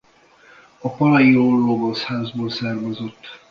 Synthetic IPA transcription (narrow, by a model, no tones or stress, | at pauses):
ɒpɒlɒjiɾolːoɡoshaːzboːlsɛrmozo̞t̪ː